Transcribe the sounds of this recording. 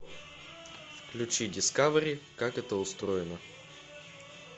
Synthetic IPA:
fklʲʊt͡ʃidʲɪskavəɾʲikakɛt̪əʊst̪ɾojɛnə

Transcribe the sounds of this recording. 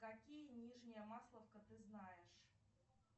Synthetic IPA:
kakʲijənʲiʐnʲɪjəmaslˠəfkət̪ɨznajɪʂ

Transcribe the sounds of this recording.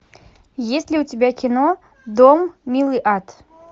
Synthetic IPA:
jesʲlʲiutʲebʲakʲino | d̪ommʲilˠɨʔat̪

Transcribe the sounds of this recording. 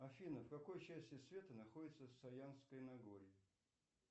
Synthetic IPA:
ɐfʲinəfkɐko̞jt͡ɕæsʲtʲɪsvʲe̞t̪ənɐxo̞dʲɪt̪səfsɐjanskəjnɐɡoɾʲɪɪ

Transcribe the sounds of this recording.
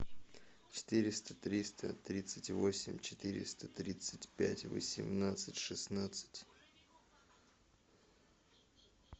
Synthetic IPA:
t͡ɕɪ̥t̪ɨɾʲɪst̪ə̥t̪ɾʲist̪ə̰t̪ɾʲit̪sɨtʲvosʲɪmʲt͡ɕɪ̥t̪ɨɾʲɪ̰st̪ət̪ɾʲit̪sɨtʲpʲætʲvə̰sʲɪmnat̪sɨtʲʂɨsnat̪sɨ̥tʲ

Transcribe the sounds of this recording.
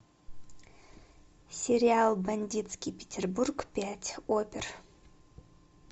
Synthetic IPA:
sʲeɾʲialˠbanʲdʲit̪skʲipʲetʰʲerburɡpʲatʲʰopʲer

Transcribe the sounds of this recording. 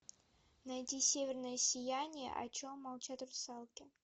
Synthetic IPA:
nɐjtʲisʲevʲɪrnəjəsʲɪjænʲɪjə̰ʔɐ̰t͡ɕomːɐlˠt͡ɕat̪ʲɾsɑlˠkʲɪ

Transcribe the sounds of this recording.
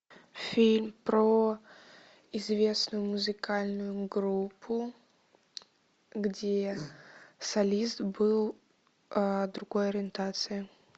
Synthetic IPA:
fʲilʲmpɾo | ɪzvʲe̞snʊjʊmʊzɨkalʲnʊjʊɡɾupʰːʊ | ɡdʲe | sɐlʲist̪bɨlˠ | əd̪ɾʊɡo̞jɐɾʲɪɪnt̪at̪sɨjɪ

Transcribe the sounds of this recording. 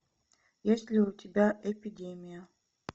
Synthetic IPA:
jesʲlʲiʊtʲɪbʲaʔɛpʲidʲemʲijə

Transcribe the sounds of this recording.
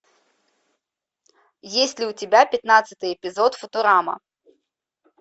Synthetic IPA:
jesʲtʲlʲɪʊtʲɪbʲapʲɪt̪nat̪sɨ̥t̪ɨjɛpʲɪzot̪fʊt̪ʊɾamɐ̰

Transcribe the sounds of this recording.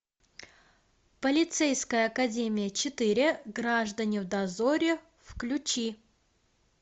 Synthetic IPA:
pəlʲɪt̪sɛjskəjəɐkɐdʲemʲɪjət͡ɕɪt̪ɨɾʲɪɡraʐd̪ənʲɪvd̪ɐzo̞ɾʲɪ | fklʲʉt͡ɕi

